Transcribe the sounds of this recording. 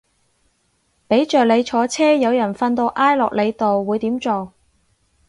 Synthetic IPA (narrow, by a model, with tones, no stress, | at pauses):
pe˨˥jt͡ʃœː˨k̚le˨˧jt͡ʃʰɔː˨˧˥t͡sʰɛː˥jɐ˨˧wjɐ˨˩nfɐ˧nt̪o˧wʔaː˥jlɔ̰ː˨k̚le˨˧jt̪o˨wːuː˨˧jt̪iː˨˥mt͡ʃo˨˩w